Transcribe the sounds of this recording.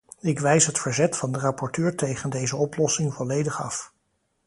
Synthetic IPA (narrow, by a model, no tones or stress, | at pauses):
ɪkʋɛjsɦətfəɹzɛtfɑndərɑpɔɹtøːɹtejχəndejzəɔplɔsɪŋvɔlejdəχɑf